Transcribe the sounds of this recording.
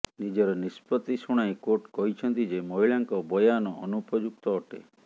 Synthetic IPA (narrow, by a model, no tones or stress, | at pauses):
nid͡ʒɔɾɔnispɔt̪isuɽ̃aj̃koɾʈkɔɦit͡ʃʰɔnt̪id͡ʒemɔɦiɭaŋkɔbɔjanɔʔɔnupɔd͡ʒuk̚t̪ɔːʈḛ